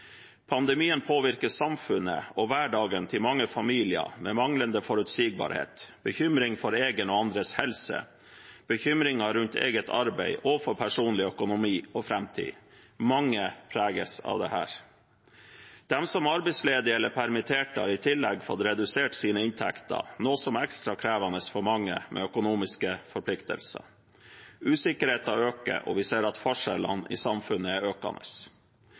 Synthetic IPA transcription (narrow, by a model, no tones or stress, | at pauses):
pʰɑnd̪ɛmiːənpʰoːʋɪɾkəssɑmfʉnə̰ɔʋæːɖɑːɡənt̪ʰɪlmɑŋːəfɑmiːlɪə̰mɛːmɑŋlənd̪əfɔɾʉt̪siːɡ̚bɑ̰ːɾhḛːt̪b̥əçʏmɾɪŋfɔɾeːɡənɔɑnd̪ɾəshɛlsə̰ | b̥əçʏmɾɪŋɑɾʉnt̪ʰḛːɡət̪ʰɑɾbæɪʔɔfɔɾpʰæʂuːnlɪœkʊnʊmiːɔfɾɛmt̪ʰḭːmɑŋːəpʰɾæːɡəsɑ̰ːʋd̪ɛ̰hæ̰ːɾ | d̪̥ɛmsɔmɑɾbɛɪsleːd̪ɪɛlːəpʰæɾmɪt̪ʰeːʈəɑ̰ɾɪt̪ʰɪlːɛɡfɔ̰t̪ɾɛd̪ʉseːʈsiːnəɪnt̪ʰɛkt̪ɑ̰noːsɔmɛkst̪ɾɑkʰɾæːʋɑnəsfɔɾmɑŋːə̰mʔɛ̰ːœkʊnuːmɪskəfɔɾpʰlɪkt̪ə̰lsə̰ | ʉːsɪkəɾheːt̪ɑøːkə̰ʔɔ̰ʋɪseːɾɑt̪fɔʂɛlə̰nɪ̰sɑmfʉnːəæɾøːkɑ̰nəs